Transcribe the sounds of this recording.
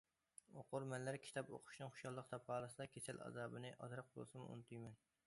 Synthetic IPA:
oqʰʊɾmɛlːæɾkʲʰi̥t̪ʰɑpo̰qʰʊ̥ʃnɨŋχo̥ʃjɑlˠːəq̚t̪ʰɑphɑːlˠɨsɨd̪ɑkʲʰesælʔɑ̰zɑːbɨnɨʔɑ̰t̪ʰɾəq̚bo̰lˠsɨmṵnɨt̪ʰujmɛn

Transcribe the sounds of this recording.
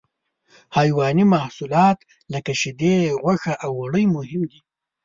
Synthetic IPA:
hɑːjwɑnimahsulɑːt̪ | lakaʃɪd̪eɣwaxaʔawːaɽəjmʊhɪmd̪i

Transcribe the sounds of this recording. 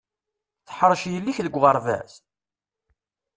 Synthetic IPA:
θə̥ħəɾˤəʃjəlːiçðəɡʷʁəɾˤvæ̰s

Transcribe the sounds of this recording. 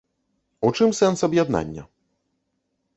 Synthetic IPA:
ut͡ʂɨmsɛnsɐbjad̪na̰nʲːɐ̰

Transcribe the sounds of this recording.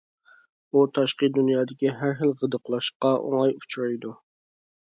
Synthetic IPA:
ut̪ʰɑʃqəd̪unjɑːd̪ɪkʲiɦæɾɦəlˠʁəd̪əqʰlˠɑʃqɑʔo̰ŋɑjut͡ʃʰuɾɑjd̪u

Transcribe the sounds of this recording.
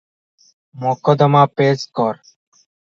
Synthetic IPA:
moːkɔd̪əmaːpeːskɔɾ

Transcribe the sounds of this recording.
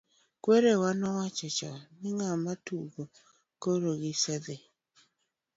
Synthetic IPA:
kweɾewanɔwat͡ʃɔt͡ʃɔnɪŋamatuɡo | koɾoɡɪsɛd̪e

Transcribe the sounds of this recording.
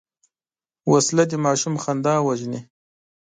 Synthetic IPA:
waslad̪imɑːʃumxand̪ɑːwaʒni

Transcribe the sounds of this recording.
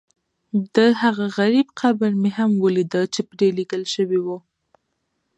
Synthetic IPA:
d̪əhaɣaɣaɾibqabəɾmeɦamwəlid̪əlt͡ʃepɾeliɡəlʃəwiwu

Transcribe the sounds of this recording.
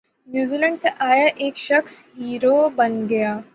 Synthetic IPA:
njuːziːlə̃ɳɖseʔaːjaʔeːkʃɐxsɦiːɾobɐnɡɐjaː

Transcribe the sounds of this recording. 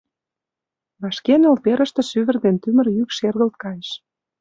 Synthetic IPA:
βɑʃkenolpeɾə̆ʃt̪ə̆ʃyβə̆rd̪ent̪ymə̆rjykʃerɣə̆lt̪̚kɑnʲʃ

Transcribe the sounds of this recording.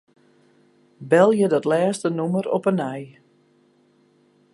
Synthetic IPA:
bɛlˠjədɔtlɛːstənuməɾɔpənɛj

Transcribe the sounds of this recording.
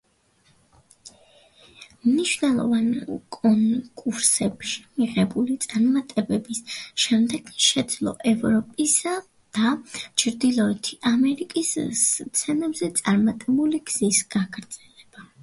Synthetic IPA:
mniʃvnɛlˠɔ̰vankʼɔnkʼuɾsɛpʃimiʁɛbulit̪sʼaɾmat̪ʼɛbɛbisʃɛmd̪ɛɡʃɛd̪zlˠɔ̰ʔɛvɾɔpʼisa | d̪̥at͡ʃʰɾd̪ilˠɔɛt̪ʰiʔamɛɾikʼist̪sʰɛnɛbzɛt̪sʼaɾmat̪ʼɛbuliɡz̥isɡaɡɾd̪z̥ɛlɛb̥a

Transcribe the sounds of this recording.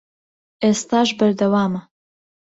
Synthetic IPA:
ʔeːst̪aːʒbɐɾd̪ɐwaːmɐ

